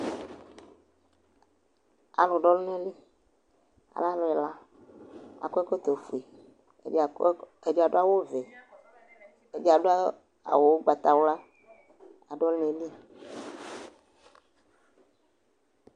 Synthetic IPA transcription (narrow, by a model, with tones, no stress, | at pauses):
a̰˨lo˨ɖɔ˦lu˦ne˦li˦ | a̰˨la˦lo˨ɛ˨la˦ | a̰˨kɔ˦ɛ˦ko˦t̪o˨fu˨ḛ˨˦˨ | e˨d͡ʒa˨ɖo˦a˦wo˦ve˨ | e˦d͡ʒa˨ɖ | a̰˨wo˨wo˦ɡ͡ba˨t̪a˨wo˦la˦ | a˨ɖɔ˦lne˨li˦˨